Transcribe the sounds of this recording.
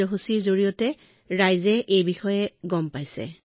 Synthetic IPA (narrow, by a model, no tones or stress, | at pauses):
ɔɦusiɹzoɹijɔtɛ | ɹajzɛʔejbixɔjɛɡɔmpajsɛ̰